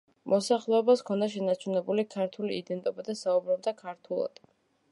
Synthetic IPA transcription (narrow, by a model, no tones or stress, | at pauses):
mʔɔsaχlˠɛɔbaskʰɔnd̪aʃ̬ɛnat͡ʃʰunɛbulikʰaɾt̪ʰuliid̪ɛnt̪ʼɔbad̪asaubɾɔb̚d̪akʰaɾt̪ʰulˠɔ̰d̪̥